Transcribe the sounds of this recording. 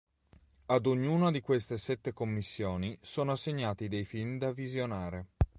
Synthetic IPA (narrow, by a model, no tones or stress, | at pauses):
ad̪oɲːuːnad̪ikwest̪esɛt̪ːekomːisːjoːnisɔːnoasːeɲːaːt̪id̪ejfilmd̪avizjonaːɾe